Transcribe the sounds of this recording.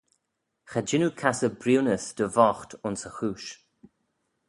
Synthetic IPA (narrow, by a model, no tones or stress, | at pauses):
xad͡ʒɪnukʰasəbɾiːnəsd̪̥əvɔxt̪ʊnsəxuːʃ